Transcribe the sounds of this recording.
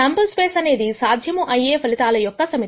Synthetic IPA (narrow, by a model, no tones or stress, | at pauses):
aːmpɐlspeːsɐne̞ːd̪isaːd̪ʱjɐmuʔɐjeːpʰɐlit̪aːlɐjɔkːɐsɐmit̪